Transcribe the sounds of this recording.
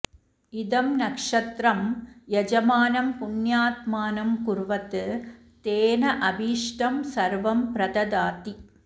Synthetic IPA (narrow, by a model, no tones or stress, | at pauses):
ɪðɐmnɐkʂɐt̪ɾɐmjɛd͡ʒɐmaːnɐmpʊnjaːt̪maːnɐmkʊɾʋɐt̪ːɯ | t̪eːnɐʔɐbiːʂʈɐmsɐɾʋɐmpɾɐðɐd̪aːt̪i